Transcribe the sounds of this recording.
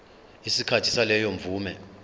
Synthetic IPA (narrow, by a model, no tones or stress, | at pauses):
isikʰatʰi̥salɛjɔɱvuːmɛ